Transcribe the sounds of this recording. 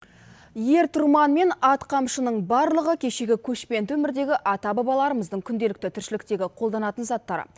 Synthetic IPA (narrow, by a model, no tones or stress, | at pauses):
je̞ɾt̪ʰʊɾmɑnme̞nɑt̪qʰɑmʃənəɴbɑɾlˠəʁəkʲʰe̞ʃe̞ɡʲɪkʲʰɵʃpe̞nt̪ɪwɵmɪɾd̪e̞ɡʲɪʔɑt̪ɑbɑbɑlˠɑɾəməzd̪əɴkʲʰʏnd̪e̞lɪk̚t̪ɪt̪ʰʏɾʃɪlɪk̚t̪e̞ɡʲɪqʰo̞lˠd̪ɑnɑt̪ənzɑt̪ːɑɾə̰